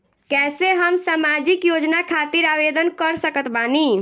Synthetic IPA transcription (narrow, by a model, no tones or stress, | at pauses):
kɛseɦəmsamad͡ʒikjod͡ʒnakʰat̪iɾaʋed̪ənkəɾsəkət̪bani